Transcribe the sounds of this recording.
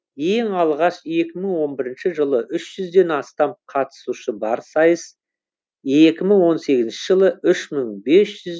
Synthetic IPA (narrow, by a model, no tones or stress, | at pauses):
je̞ŋɑlˠʁɑʃe̞kʲɪməɴwo̞nbɪɾɪnʃɪʒəlˠəʔʏʃʒ̥ʏzd̪e̞nɑst̪ɑmqʰɑt̪ə̥suʃəbɑɾsɑjəs | e̞kʲɪməŋwo̞nse̞ɡʲɪzɪnʃɪʒəlˠəʏʃməɴbe̞sʒ̥ʏz